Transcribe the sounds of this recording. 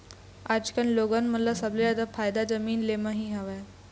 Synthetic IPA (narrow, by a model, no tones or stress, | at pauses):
ad͡ʑkanloɡanməlasəblejad̪afajd̪ad͡zəmiːnlemaɦiːɦaʋaj